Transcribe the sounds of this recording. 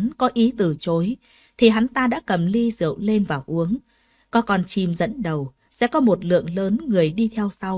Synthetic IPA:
nkɔ˨˦ʔi˨˦t̪ɨ˨˩t͡ɕo˨˦j | t̪ʰi˨˩ɦa˨˦nt̪aː˧ɗa̰ː˧˥kə˨˩mli˧zɨ̰˧˨əwle˧nvaː˨˩wʔu˨˦əŋ | kɔ˨˦kɔ˨˩nt͡ɕi˨˩mzə̰˧˥nɗə˨˩w | sɛ̰˧˥kɔ˨˦mo˨˩t̚lɨ̰˧˨əŋləː˨˦nŋɨ˨˩əjɗi˧t̪ʰɛ˧wsa˧w

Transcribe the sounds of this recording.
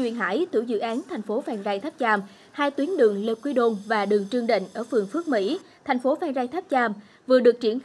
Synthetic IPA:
wḭ˧˨nɦa̰ː˧˥˩jt̪ʰɨ̰˧˩wzɨ̰˧˨ʔaː˨˦nt̪ʰa˨˩jŋ̟fo˨˦faː˧˩ŋzaː˧jt̪ʰa˦˥p̚t͡ɕaː˧m | haː˧jt̪wi˨˦ənɗɨ˨˩əŋle˧kwi˧ɗo˧nvaː˨˩ɗɨ˨˩əŋt͡ɕɨ˧əŋɗḭ˧˨ŋ̟ʔəː˧˩fɨ˨˩əŋfɨ˦˥ək̚mḭ˧˥ | t̪ʰa˨˩jŋ̟fo˨˦faː˧ŋzaː˧jt̪ʰa˦˥p̚t͡ɕaː˧m | vɨ˨˩əɗɨ˨˩ək̚t͡ɕi˧˩ən

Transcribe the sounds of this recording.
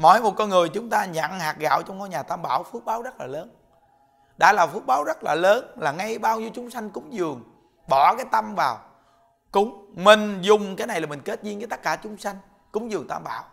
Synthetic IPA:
mɔ̰˧˩jmo˨˩t̚kɔ˧ŋɨ˨˩əjt͡ɕʊ˨˦ŋ͡mt̪aː˧ɲa̰˧˨nhaː˨˩k̚ɣa̰ː˧˨wt͡ɕɔ˧ŋ͡mkɔ˧jɲaː˨˩t̪aː˧mɓaː˧˩wfɨ˦˥ək̚ɓaː˨˦wzə˦˥t̚laː˨˩ləː˨˦n | ɗa̰ː˧˥laː˨˩fɨ˦˥ək̚ɓaː˨˦wzə˦˥t̚laː˨˩ləː˨˦nlaː˨˩ŋa˧jɓaː˧wɲi˧əwt͡ɕʊ˨˦ŋ͡msa˧jŋ̟kʊ˨˦ŋ͡mzɨ˨˩əŋ | ɓɔ˧˩˦kaː˨˦jt̪a˧mvaː˨˩w | kʊ˨˦ŋ͡mmï˨˩ŋ̟zʊ˨˩ŋ͡mkaː˨˦jna˨˩jlaː˨˩mï˨˩ŋ̟ke˦˥t̚zi˧nvəː˨˦t̪ə˦˥kaː˧˩t͡ɕʊ˨˦ŋ͡msa˧jŋ̟ | kʊ˨˦ŋ͡mzɨ˨˩əŋt̪aː˧mɓa̰ː˧˩˨w

